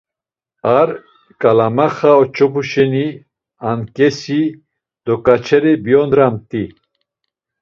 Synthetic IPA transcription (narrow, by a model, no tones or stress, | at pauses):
aɾ | kʼalamaχaɔt͡ʃʼɔpʰuʃɛni | ankʼɛsi | d̪̥ɔkʼat͡ʃʰɛɾɛbiɔnd̪ɾamt̪ʼi